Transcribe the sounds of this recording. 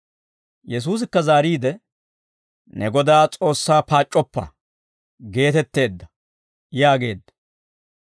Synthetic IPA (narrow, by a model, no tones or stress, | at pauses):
jɛs̬uːs̬ɪkːɐzaːɾiːd̪ɛ | nɛɡɔd̪aːt͡sʼo̞ːsːaːpaːt͡ʃʼːɔpːɐ̰ | ɡe̞ːt̪ɛt̪ːe̞ːd̪ːɐ | jaːɡe̞ːd̪ːɐ̥